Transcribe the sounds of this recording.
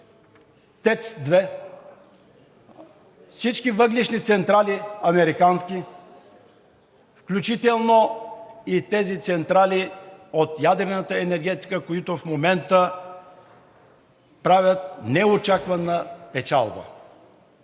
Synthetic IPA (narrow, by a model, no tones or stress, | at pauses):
t̪ɛt̪sd̪vɛ | fsit͡ʃkivəɡliʃnit̪sɛnt̪ɾalʲiɐmɛɾikanskʲi | fklʲut͡ʃit̪ɛlˠno | it̪ɛzit̪sɛnt̪ɾaliot̪jad̪ɾɛnət̪əɛnɛɾɡɛt̪i̥kəkoit̪ofmomɛnt̪ə | pɾavʲət̪̚nɛot͡ʃakvənəpɛt͡ʃa̰lˠbə̰